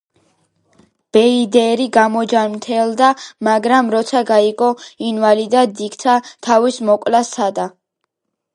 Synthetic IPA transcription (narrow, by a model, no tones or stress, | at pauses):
b̥ɛid̪ɛɾiɡamɔd͡ʒaɾmt̪ʰɛld̪amaɡɾamɾɔt̪sʰaɡaiɡɔinvalid̪ad̪ikt̪sʰat̪ʰavismɔkʼlasad̪a